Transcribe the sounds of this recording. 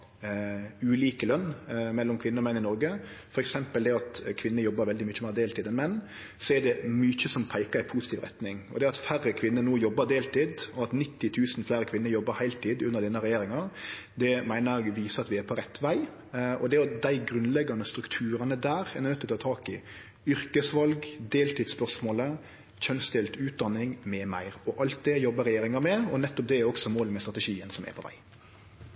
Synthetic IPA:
ʉːliːkəlœnːmɛlːɔmkʰʋɪnːəɾɔmɛnːɪnɔɾɡəfɔɾɛksɛmpəld̪ɛɑt̪kʰʋɪnːəjɔbːəɾʋɛld̪ɪmʏçəmæɪːɾd̪eːlt̪iːd̪ɛnmɛnː | sɔɛd̪ɛmyçəsɔmpʰæɪkəɾæɪpʰusɪt̪ʰiːʋɾɛ̰t̪nɪŋɔ̰d̪ɛɑt̪færːəkʰʋɪnːənoːjɔbːəd̪eːlt̪iːd̪ɔɑt̪nɪt̪ːɪt̪ʰʉːsnflæːɾəkʰʋɪnːəɾjɔbːəɾhæɪlt̪ʰiːd̪ʉnːəɾd̪ɛnːəɾɛjeːɾɪŋɑd̪ɛmæɪnəʋiːsəɑt̪ʋɪæɾpʰɔɾɛt̪ːʰʋæɪ | ʔɔd̪ɛɔd̪æɪɡɾʉnlɛɡːɑnd̪əst̪ɾʉkt̪ʰʉːɾɑnəd̪æːɾɛnɛnœt̪ːɔt̪ʰɑːt̪ʰɑːkɪ | ʏɾkəsʋɑlɡd̪eːlt̪ɪːd̪spœʁsmoːlə | çœnsd̪ɪlt̪ʰʉːt̪̚d̪ɑnːɪŋmɛːmæɪɾɔʔɑlt̪̚d̪ɛjɔbːəɾɛjeːɾɪŋɑmɛɔnɛt̪ːɔp̚d̪ɛɛɾɔksɔmoːləmɛst̪ɾʁɑt̪əʂiːənsɔmɛ̰pʰɔʋæ̰ɪ

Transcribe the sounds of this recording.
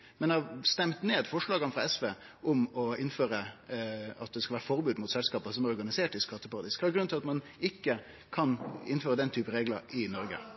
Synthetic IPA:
mɛnɛɑst̪ɛmt̪neːd̪fɔʂɭɑːɡənəfɾɑɛsʋeːʔʊmɔɪnføːɾə | ɑ̰t̪̚d̪ɛskɑlʋæːɾəfɔɾbʉːd̪mʊːt̪sɛlskɑːpəsɔmæɾɔɾɡɑnɪseːʈɪskʰɑt̪ːəpɑɾɑt̪ɪːskhɑɾɡɾʉnt̪ʰɪlɑt̪mɑn | ɪkːə | kʰɑnɪnføːɾəd̪ɛnt̪ʰyːpəɾeːɡlə̰ɾɪnɔɾɡə̰

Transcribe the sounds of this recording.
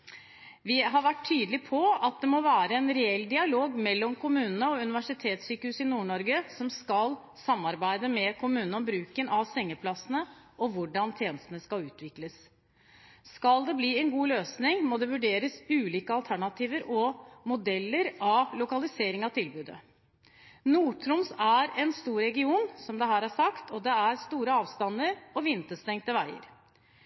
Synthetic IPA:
ʋɪɦɑɾʋæʈʰːyːd̪lɪpʰɔɑt̪̚d̪ɛmoʋæːɾəɛnɾɛɛlːd̪ɪɑloːɡmɛlːɔmkʰʊmʉːnənəɔʉnɪʋæʂɪt̪ʰeːt̪syːkəhʉːsɪnuːɳɔɾɡəsɔmskɑl | sɑmːɑɾbæɪd̪əmɛkʰʊmʉːnnɔmbɾʉːkənɑʋsɛŋːəpʰlɑsənəʔɔʋʊɖɑnt̪ʰjeːnəst̪ən̩əskɑlʉːt̪ʰʋɪkləs | skɑld̪ɛbliːɛnɡuːløːsnɪŋmoːd̪ɛʋʉɖeːɾəsʉːliːkəɑlt̪ʰæɳɑt̪ʰiːʋəɾɔmʊd̪ɛlːəɾɑlʊkɑlɪseːɾɪŋɑʋt̪ʰɪlbʉːd̪ə̰ | nuːʈʰɾʊmsæɾɛnst̪uːɾɾɛɡɪuːnsɔmd̪ɛɦæːɾæʂɑkt̪ʰɔd̪ɛæɾst̪uːɾəɑːʋst̪ɑnəɾɔʋɪnt̪əst̪ɛŋt̪əʋæɪə̰ɾ

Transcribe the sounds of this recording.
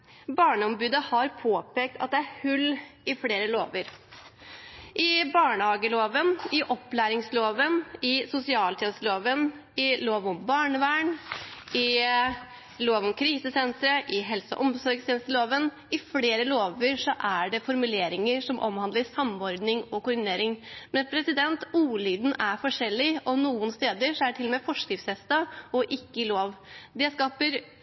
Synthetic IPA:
bɑːɳəɔmbʉːd̪əhɑɾpʰoːpeːk̚t̪ʰɑ̰t̪̚d̪ɛæɾhʉlːɪfleːɾəloːʋəɾ | ʔɪbɑːɳəhɑːɡəloːʋənɪʔɔpːlæːɾɪŋsloːʋənɪsʊsɪɑːlt̪ʰɛnəst̪əloːʋən | ɪloːʋɔmbɑːɳəʋæːɳ | ɪ | loːʋɔmkʰɾiːsəsɛnt̪ɾəʔɪɦɛlsə̰ʔɔmsɔɾɡst̪ʰɛːnst̪əloːʋən | ɪfleːɾəloːʋəɾʂɔʔæɖɛfɔɾmʉleːɾɪŋəɾʂɔmʔɔ̰mhɑnd̪əsɑmːɔɾd̪nɪŋɔkʊɾɖɪneːɾɪŋmɛnpʰɾɛsɪd̪ɛnt̪uːlyːd̪n̩æɾfɔʂɛlːɪɔnuːənst̪eːd̪əʂɔæʈʰɪlɔmeːfɔʂkɾɪfsɛst̪ɑɔʔɪkːəɪloːʋd̪ɛskɑːpəɾ

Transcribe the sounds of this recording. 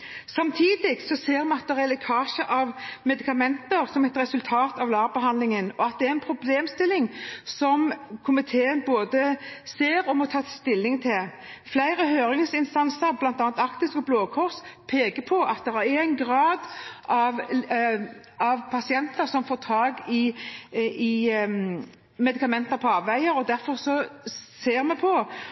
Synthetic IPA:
sɑmt̪ʰiːd̪ɪɡsɔseːɾmɑt̪̚d̪ɛʁɛlɛkʰɑːʃəʔɑʋmɛd̪ɪkɑmɛnt̪əɾsɔmɛt̪ɾɛsʉlt̪ʰɑːt̪ɑʋlɑːʁbəɦɑnd̪lɪŋənɔɑt̪̚d̪ɛæɾɛnpʰɾʊbleːmst̪ɪlɪŋsɔmkʰʊmɪt̪ʰeːənboːd̪əseːɾɔmɔt̪ʰɑːt̪ʰɪst̪ɪlːɪŋt̪ʰɪlflæɪɾəɦøːɾɪŋsɪnst̪ɑnsəɾblɑnt̪ɑːnt̪ɑkt̪ɪskɔbloːkʰɔʁspʰeːɡəpʰɔʔɑt̪̚d̪ɛɾæɾeːnɡɾɑːd̪ʔɑʋ | ɑʋpʰɑsɪɛnt̪əɾsɔmfoːt̪ʰɑːɡɪ | ɪ | mɛd̪ɪkɑmɛnt̪əɾpʰɔɑːʋʋæɪəɾɔd̪æɾfɔɾsɔseːɾmɛpʰɔ

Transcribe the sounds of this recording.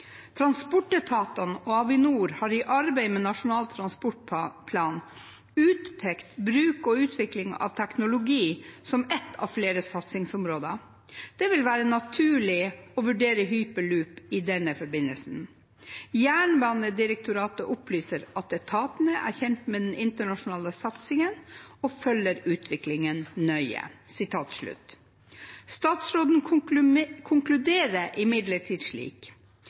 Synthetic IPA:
t̪ʰɾɑnspɔʈːɛt̪ʰɑːt̪ɑnɔɑʋɪnuːɾhɑːɾɪʔɑɾbæɪmɛːnɑʂʊnɑːlt̪ʰɾɑnspɔʈ̚pʰlɑːn | ʉːt̪pʰɛkt̪bɾʉːkɔʉːt̪ʰʋɪklɪŋɑ̰ʋt̪ʰæknʊlʊɡiːsɔmɛt̪ʰːɑ̰ʋfleːɾəsɑt̪sɪŋsʊmɾoːd̪ɑ | d̪̥ɛʋɪlʋæːɾənɑt̪ʰʉːɭɪɔʋʉɖeːɾəɦyːpəlʉːpɪd̪ɛnəfɔɾbɪnːəlsn̩ | jæːɳbɑːnəd̪ɪɾək̚t̪ʊɾɑːt̪əʔʊplyːsəɾɑt̪̚d̪ɛt̪ʰɑːt̪ənəʔæ̰ːɾçɛnt̪meːd̪ɛnɪnt̪əɳɑʂʊnɑːləsɑt̪sɪŋənɔfœlːəɾʉːt̪ʰʋɪklɪŋənnœʏə̰sɪt̪ʰɑːt̪ʂɭʉ̰t̪ | st̪ɑːt̪sɾoːd̪n̩ | kʰʊŋklʉd̪eːɾəʔɪmɪd̪ləʈʰiːd̪ʂɭḭːk

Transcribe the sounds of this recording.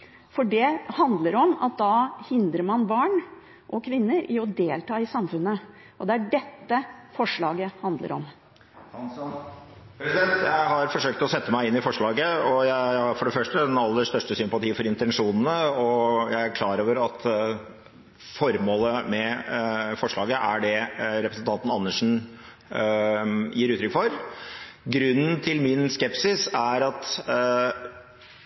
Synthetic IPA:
fɔɖɛhɑnd̪ləɾɔmɑ̰t̪̚d̪ɑhɪnd̪ɾəɾmɑnbɑːɳ | ʔɔkʰʋɪnːəɾɪɔd̪eːlt̪ʰɑːɪsɑmfʉnːə | ʔɔd̪ɛæɖɛt̪ːəfɔʂɭɑːɡəhɑnd̪lə̰ɾʔɔ̰m | ɾɛsɛnt̪jæɪɦɑɾfɔʂøːk̚t̪ɔsɛt̪ːəmæɪɪnːɪfɔʂɭɑːɡəɔjæɪɑɾfɔɖɛfœʂʈəɛnɑlːəʂt̪œʂʈəsʏmpɑt̪ʰiːfɔɾɪnt̪ɛnʂuːnən̩əɔjæɪæɾkʰlɑːɾoːʋəɾɑt̪ | fɔɾmoːləmɛ | fɔʂɭɑːɡəʔæɖɛɾɛpɾəsən̩t̪ʰɑnt̪n̩ɑnːəʂɳ̩n̩ | jiːɾʉːt̪ʰɾʏkfɔɾ | ɡɾʉnːn̩t̪ʰɪlmɪnskɛpsɪsæɾɑt̪

